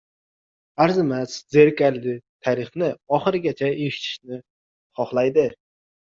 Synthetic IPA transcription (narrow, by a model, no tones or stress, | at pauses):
aɾzɪmaszeɾkʲallɪt̪ʰaɾɪχnɪɒχɨɾɪɡʲat͡ʃʰaeʃɪ̥t̪ʰɪ̥ʃnɪ | χɒχlˠajd̪ɪ